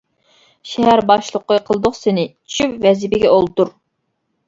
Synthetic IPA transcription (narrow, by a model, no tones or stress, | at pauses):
ʃɛɦæɾbɑʃlˠəqːəqʰəlˠd̪ʊχsɪnɪt͡ʃʰt͡ʃʰypvɛzɪbɪɡʲɛolˠt̪uɾ